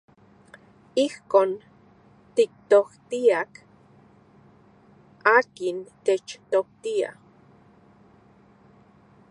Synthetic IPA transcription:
ihkoːn | t̪ik̚t̪oht̪iak | aːkint̪et͡ʃt̪ok̚t̪ia̰

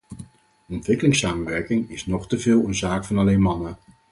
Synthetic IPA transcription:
ɔntʋɪkəlɪŋsaːmənʋɛɹkɪŋɪsnɔχtəvɪːlˠənzaːkfɑnɑlejnmɑnə

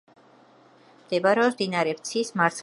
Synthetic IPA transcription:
md̪̥ɛbaɾɛɔsd̪inaɾɛpt̪sʰismaɾt̪ʰ

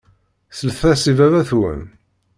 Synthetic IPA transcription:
θəlθθæsivævæθwə̰n

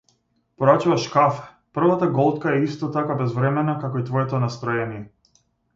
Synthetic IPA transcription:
pɔɾat͡ʃuvaʃkafɛ̥ | pr̩vat̪aɡɔlˠt̪kaɛist̪ɔt̪akabɛzvɾɛmɛnakakɔit̪vɔjɛt̪ɔnast̪ɾɔjɛnijɛ

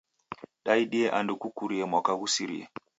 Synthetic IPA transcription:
ɗaiɗieʔandukukuɾiemakaɡusiɾḭḛ

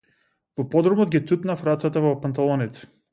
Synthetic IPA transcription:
vɔpɔd̪ɾɔmɔd̪̚ɡʲit̪ut̪nafɾat̪sat̪avɔpant̪alˠɔnit̪ɛ̥

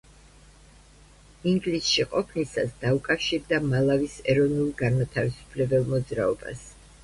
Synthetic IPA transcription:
iŋɡlisʃiqʼɔpʰnisa̰sd̪̥aukʼafʃiɾd̪amalˠavisɛɾɔnulˠɡanmat̪ʰavisu̥pʰlɛbɛlˠmɔd̪zɾaɔba̰s

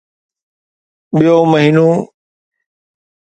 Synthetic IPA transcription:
ɓijoːməɦiːnoː

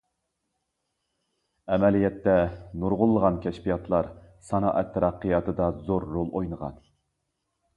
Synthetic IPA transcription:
ɛmɛlijɛt̪ːɛnuɾʁʊlˠːəʁɑnkʲʰɛʃpijɑt̪ʰlˠɑɾsɑnɑ̰ːʔɛt̪ʰːɛɾɑqːəjɑt̪ʰɨd̪ɑzoɾːolˠojnəʁɑ̰n

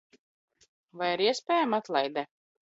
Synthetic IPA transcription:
vajaɾiɛspʲɛːjamat̪lˠajd̪ɛ

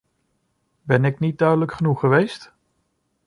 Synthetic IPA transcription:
bɛnɪknit̚dœɥdələkχənuχːəʋejst

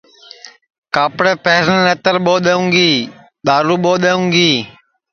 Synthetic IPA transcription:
kaːpɽeːpeːɾnːet̪əɾɓoːɗ̪əũːŋɡiː | ɗ̪aːɾuːɓoːɗ̪eːũːɡiː

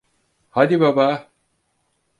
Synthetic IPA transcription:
had̪ibaba

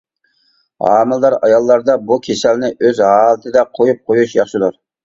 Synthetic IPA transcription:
ɑ̰ːmɨlˠd̪ɑɾɑjɑlˠːɑɾd̪ɑbukʲʰesɛlnɪʔøzɦɑːlˠɨt̪ʰɪd̪ɛqʰojup̚qʰojuʃjɑχʃɨd̪uɾ

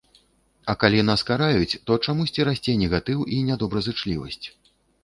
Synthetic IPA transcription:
ɐkalʲinaskaɾajut͡sʲt̪ɔt͡ʂamusʲt͡sʲiɾasʲt͡sʲejnʲɛɣat̪ɨwʔinʲad̪ɔbɾɐzɨt͡ʂlʲivɐ̰sʲt͡sʲ

